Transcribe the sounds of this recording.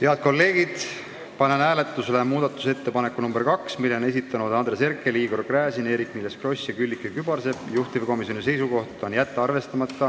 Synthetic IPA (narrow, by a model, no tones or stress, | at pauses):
t̪eɑd̪̥̚ko̞lːe̞ːɡ̥id̪̥ | pɑnenæːle̞t̪ːˑuslemuːd̪̥ɑt̪ːˑu̥se̞t̪ːe̞pɑnekːunumbeɾkɑksmilːe̞ne̞sit̪ːˑɑnud̪ɑnd̪̥ɾe̞se̞rkːˑe̞liːɡo̞rkræːsine̞ːɾikːmilːeskro̞sʲjɑkylʲːikːˑekybɑrse̞b̥juht̪ivko̞misjonise̞jsuko̞ht̪ˑo̞njæt̪ˑːeɑrve̞st̪ɑmɑt̪ːɑ